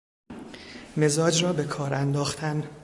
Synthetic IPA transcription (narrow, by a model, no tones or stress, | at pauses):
me̞zɒːd͡ʒrɒːbekʰɒːɾænd̪ɒːxt̪ʰæn